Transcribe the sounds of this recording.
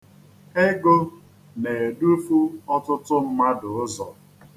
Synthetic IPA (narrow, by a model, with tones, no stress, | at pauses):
e˦ɡo˦ | ne˨e˨du˦fu˦ɔ˦tʊ˦tʊ˦m̩˦ma˦dʊ˨ʊ˦zɔ˨